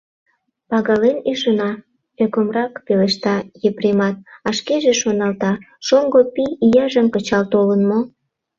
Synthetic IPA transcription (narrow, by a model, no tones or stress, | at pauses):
pɑɣɑleniʃənɑ | økomrɑkpeleʃt̪ɑjepremɑt̪̚ɑʃkeʒeʃonɑlt̪ɑ | ʃoŋɡopiːjɑʒəmkət͡ɕɑlt̪olənmo